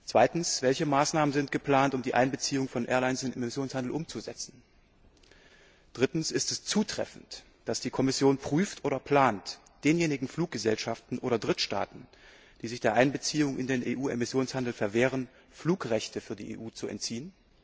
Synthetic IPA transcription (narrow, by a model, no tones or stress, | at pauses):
t͡sv̥aɪtn̩sv̥ɛlçəmaːsnaːmənzɪntɡ̥əpl̥aːntʊmdiːʔa̰ɪnbət͡siːʊŋfɔnʔɛ̰ːɐlaɪnsdɪnemɪsjoːnshandl̩ʔʊmt͡suzɛt͡sn̩ | d̥ʁɪtn̩sɪstɛst͡suːtʁ̥ɛ̰fn̩t | d̥asd̥iːkʰɔmɪsjoːnpʁ̥yːftʔoːɾɐpʰl̥aːnt | d̥eːnjeːnɪɡŋ̩fluːk̚ɡ̥əzɛlʃaftn̩ʔoːɾɐdʁɪtʃta̰ːtn̩ | d̥iːzɪçd̥eːɐʔaɪnbət͡siːʊŋʔɪ̰ndeːnʔeːʔuːemɪsjoːnshandl̩fɛɐveːʁən | fluːkʁɛçtʰəfyːɐdḭːʔḛːʔuːt͡suɛ̰ntt͡siːən